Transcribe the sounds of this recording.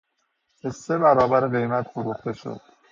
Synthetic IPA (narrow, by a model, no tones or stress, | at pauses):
besːe̞bæɾɒːbæɾeɣe̞jmæt̪foɾuxt̪e̞ʃo̰d̪̥